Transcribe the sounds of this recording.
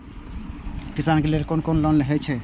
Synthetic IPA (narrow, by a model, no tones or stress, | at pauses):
kisankelelkonkonlɔnleɦɛt͡ʃʰɛ